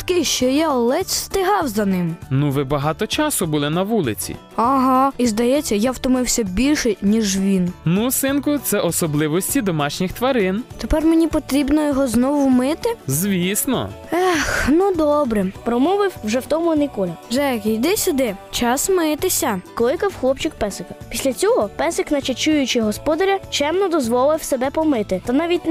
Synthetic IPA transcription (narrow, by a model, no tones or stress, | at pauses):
t̪kɪʃt͡ʃɔjaɔlˠɛt͡sʲst̪ɪɦɑwzɐnɪmnuʋɪbɐɦɑt̪ɔt͡ʃɑsʊbʊlˠɪnɐʋulˠɪt͡sʲḭ | ɐɦɑizd̪ɐjɛt͡sʲːɐjawt̪ɔmɪwsʲɐbʲilʲʃɛnʲiʒʋʲinnusɪnkʊt̪sɛʔɔsɔblˠɪʋɔsʲtʲid̪ɔmɑʃnʲixt̪ʋɐɾɪnt̪epɛrmenʲipɔt̪ɾʲibnɔjɔɦɔznɔʋʊmɪt̪ɪzʋʲisnɔ̰axnud̪ɔbɾɛpɾɔmɔʋɪwwʒɛwt̪ɔmʊnɪkɔlʲɐʒɛkʲijd̪ɛsʲʊd̪ɛt͡ʃɑsmɪt̪ɪsʲɐkɔlˠɪkɐwxlˠɔpt͡ʃɪkpɛsɪkɐpʲisʲlʲɐt͡sʲɔɦɔpɛsɪknɐt͡ʃɐt͡ʃujʊt͡ʃɪɦɔspɔd̪ɐɾʲɐt͡ʃɛmnɔd̪ɔzʋɔlˠɪwsebɛpɔmɪt̪ɪt̪ɐnɑʋʲit̚ʲn